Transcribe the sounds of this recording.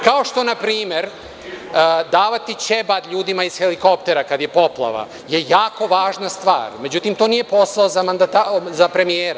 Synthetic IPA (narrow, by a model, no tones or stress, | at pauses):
kao̞ʃt̪o̞napɾiːme̞ɾ | d̪aːʋat̪it͡ɕebad̪ʎuːd̪imaiz̥xe̞liko̞pt̪e̞ɾakad̪je̞po̞plˠa̰ʋa̰ | je̞jaːko̞ʋaːʒnast̪ʋa̰ːɾme̞d͡ʑut̪imt̪o̞ːnije̞po̞saozamand̪at̪azapɾe̞mijeːɾa